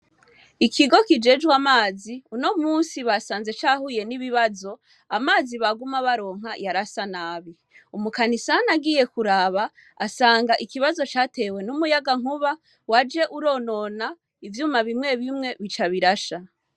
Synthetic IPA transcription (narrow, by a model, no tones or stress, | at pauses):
ikʰiɡo̞kid͡ʒe̞d͡ʒɡwamaːziuno̞muːnsiβasaːnze̞t͡ʃaːhuje̞niβiβazo̞ | amaːziβaɡumaβaɾo̞ːŋ̥ɦajaɾasanaːβi | umukanisanaɡije̞kuɾaβaː | saːŋɡaʔikiβazo̞t͡ʃaːte̞we̞numujaɡaŋ̥uβa | wad͡ʒe̞ʔuɾo̞ːno̞ːna | ivjuːmaβimŋe̞βimŋe̞βit͡ʃaβiɾaʃa